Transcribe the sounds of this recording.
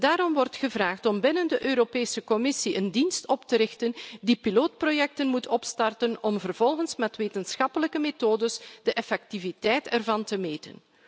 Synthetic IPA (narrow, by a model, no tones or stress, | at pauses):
daːɾɔmʋɔrtxəvraːxtɔmbɪnəndəʔøːɾopeːsəkɔmɪsiʔəndinstɔptəɾɪxtəndipiloːt̚projɛk̚tənmutʰɔpstɑrtənɔmvərv̥ɔlˠɣənsmɛtʋeːtənsxɑpələkəmeːtoːdəsd̥əʔɛfɛk̚tivitɛjtɛrvɑntəmeːtə̰n